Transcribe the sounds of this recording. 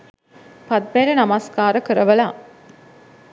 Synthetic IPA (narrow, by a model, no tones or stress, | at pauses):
pɐd̪meːɾənɐmaskaːɾəkəɾəʋəlaː